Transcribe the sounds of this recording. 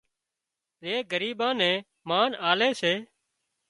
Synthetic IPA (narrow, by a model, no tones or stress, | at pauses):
ɾeːɡəɾiːɓãːnɛ̃ː | maːnaːleːseː